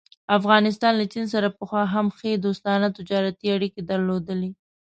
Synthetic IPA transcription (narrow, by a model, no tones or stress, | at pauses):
afɣɑnɪs̬t̪ɑnlat͡ʃins̬aɾapəxwɑɦamxed̪ost̪ɑnat̪ɪd͡ʒɑɾat̪iaɽiked̪aɾlod̪əle